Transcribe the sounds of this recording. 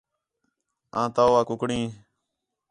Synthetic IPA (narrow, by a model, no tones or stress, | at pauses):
ãːt̪aːʋaːkʊkɽĩː